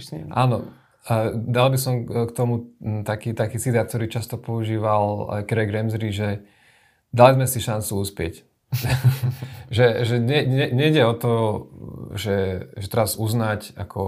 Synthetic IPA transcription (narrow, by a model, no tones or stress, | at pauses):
ʔa̰ːnɔ̰ | d̪albisɔmkt̪ɔmut̪akiːt̪akiːt͡sit̪aːt̪k̚t̪ɔɾiːt͡ʃast̪ɔpɔuʒiːʋal̰kɾɛɡɾɛmzɾiʒɛ | d̪alizmɛsiʃant͡suuspɪɛ̰c | ʒɛʒɛɲɛɛɲɛiɟɛɔt̪ɔ | ʒɛʒɛt̪ɛɾazuznacakʰɔ̰